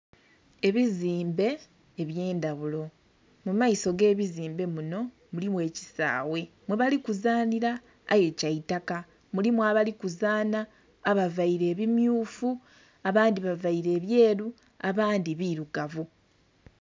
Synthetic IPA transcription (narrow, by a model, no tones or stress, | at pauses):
e̞βiziːmbe̞ː | βje̞ːndaβulo̞ | mumaiso̞ɡe̞ːβiziːmbe̞muno̞ | mulimwe̞ːci̥sa̰ːwe̞ | mweβalikuzaːniɾa̰ː | je̞caitaka | mulimwaβalikuzaːnaː | βavaiɾe̞ːβimjuːfu | aβaːndiβavaiɾe̞ːβje̞ːɾu | aβaːndiβiːɾuɡavu